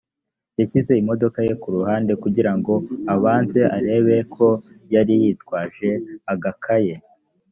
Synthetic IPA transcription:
jaçize̞imo̞do̞kaje̞kuɾuhaːnde̞kuɟiɾaŋɡo̞aβaːnze̞ʔaɾe̞ːβe̞kʰo̞ | jaɾijitkwaːʒe̞aɡakʰaje̞

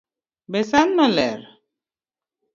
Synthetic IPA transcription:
bɛsanːalɛ̰ɾ

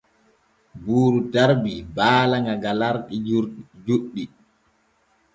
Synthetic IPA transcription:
buːɾudaɾbibaːlaŋɡaɡalaɾɗid͡ʒuɗːi

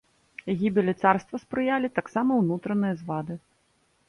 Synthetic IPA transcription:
ɣʲibʲilʲɛt̪sarst̪vɐspɾɨjalʲit̪aksamɐwnut̪ɾɐnɨjɐzvad̪ɨ

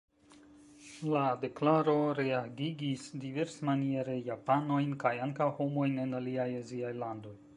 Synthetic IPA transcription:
lade̞klaɾo̞ɾeaɡiɡisdive̞ɾsmanie̞ɾe̞japano̞jnkajaŋkawho̞mo̞jne̞naliajaziajlando̞j

